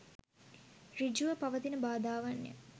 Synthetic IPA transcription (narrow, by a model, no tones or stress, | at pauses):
rid͡ʒuʋəpaʋət̪inəbaːd̪aːʋanjə̰